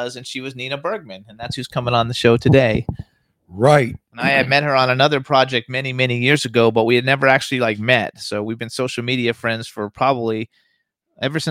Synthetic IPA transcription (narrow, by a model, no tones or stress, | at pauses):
zɨ̃nʃiwʌznĩnɨbɜ˞ɡ̚mɨ̃nɨ̃nðætshʉz̥kʰʌ̃mɪ̃ŋə̃nðɨʃoʊtʰɨdeɪ | ɹaɪt̚naɪɨd̚mɛt̚hə˞ə̃nɨnʌðə˞pʰɹ̥ɑd͡ʒɛk̚t̚mɛnimɛnijɪɹzɨɡoʊbʌt̚wiɨdⁿnɛvə˞æk̚t͡ʃʉl̩ˠilaɪk̚mɛt̚soʊwivbɨ̃nsoʊʃl̩ˠmiɾiɨfɹɛ̃ndz̥fə˞pʰɹ̥ɑbəbli | ʔɛvə˞sɪ̃